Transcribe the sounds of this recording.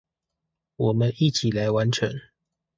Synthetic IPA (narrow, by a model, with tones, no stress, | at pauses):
wɔ˨˩mə˦ni˥˨t͡ɕʰi˨˩la˧˦ɪwa˨˦nʈ͡ʂʰə̰˧˦ŋ